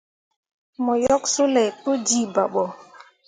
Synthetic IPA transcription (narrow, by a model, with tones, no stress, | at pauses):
mɔ˨jɔ˦ksu˦lɛ˨to˦d͡ʒi˦˨ba˨ɓɔ˨